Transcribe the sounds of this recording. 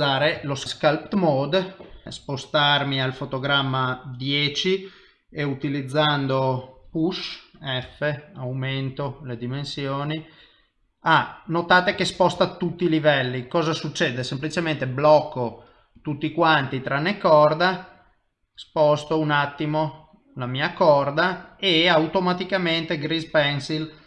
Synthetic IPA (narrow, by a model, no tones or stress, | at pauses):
aːɾelosskalpt̪mɔd̪spost̪armialfot̪oɡɾamːad̪jɛːt͡ʃi | eut̪ilid̪zːand̪opuʃɛfːeawment̪oled̪imensjoːni | anot̪aːt̪ekespɔst̪at̪ːut̪ːilivɛlːikɔːzasut͡ʃːeːd̪esemplit͡ʃement̪eblɔkːo | t̪ut̪ːikwant̪it̪ɾanːekɔrd̪a | spɔst̪ounat̪ːimo | lamiːakɔrd̪aeawt̪omat̪ikament̪eɡɾizpɛnsil